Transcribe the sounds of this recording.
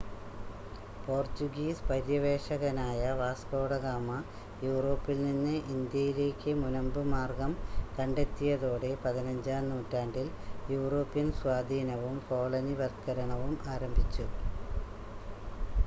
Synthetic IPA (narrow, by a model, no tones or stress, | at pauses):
po̞ːrt͡ɕuɡiːspɐɾjɐʋe̞ːʂɐɣɐnaːjɐʋaːsko̞ːɽɐɣaːmɐ | juːro̞ːpːilninːɨʔind̪jɐjile̞ːkʲːɨmunɐmbɨmaːrɡɐmkɐɳɖe̞t̪ːijɐðo̞ːɽe̞pɐðinɐɲd͡ʑaːnuːtːaːɳɖiljuːro̞ːpːijɐnswaːd̪ʱiːnɐʋumfo̞ːɭɐniʋɐrt̪kɐɾɐɳɐʋumaːɾɐmbʱit͡ɕːu